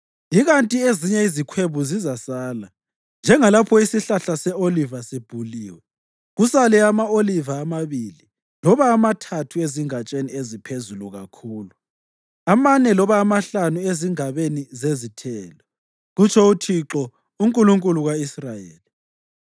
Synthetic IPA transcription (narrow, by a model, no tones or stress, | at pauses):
iɣantʼieziɲɛizikʰweβuzizasaːla | nd͡ʒʱɛŋalapʰɔisiɬaɬasɛolivasib̥ʱuliːwɛ | ɣusalɛamaolivaːmaβili | lɔβaːmatʰatʰueziŋat͡ʃʼeniezipʰezuluɣa̰kʰuːlu | amanɛlɔβaːmaɬanueziŋaβenizezitʰɛːlɔ | ɣut͡ʃʰɔutʰiǁɔ | uŋkʼuluŋkʼuluɣwaisrajḛːli